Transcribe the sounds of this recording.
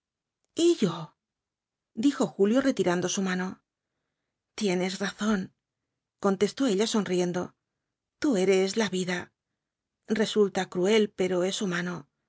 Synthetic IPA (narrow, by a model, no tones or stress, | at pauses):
iʝo | d̪ixo̞xuljo̞re̞t̪iɾand̪o̞sumano̞ | t̪je̞ne̞sraθo̞n | ko̞nt̪e̞st̪o̞e̞ʎaso̞nrije̞nd̪o̞̰ | t̪ue̞ɾe̞slaβiða | re̞sult̪akɾue̞lpe̞ɾo̞e̞sumano̞